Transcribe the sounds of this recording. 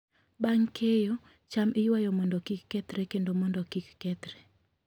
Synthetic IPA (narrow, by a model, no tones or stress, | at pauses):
baŋkʰejo | t͡ʃamʔɪjwajɔmɔndɔkikːɛt̪ɾɛkendomɔndɔkikːɛt̪ɾɛ